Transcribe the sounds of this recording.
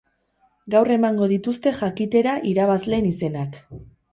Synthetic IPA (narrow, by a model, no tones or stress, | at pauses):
ɡawre̞maŋɡo̞ð̞it̪ust̪e̞ʝakit̪e̞ɾaʔiɾaβ̞azle̞ːnise̞nak